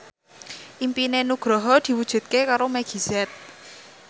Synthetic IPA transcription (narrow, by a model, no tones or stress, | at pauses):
ʔimpinenuɡ̥ɾɔɦɔd̪̥i̤wud̥ʒ̥ṳt̪̚kekaɾomɛɡ̥i̤zɛt̪̚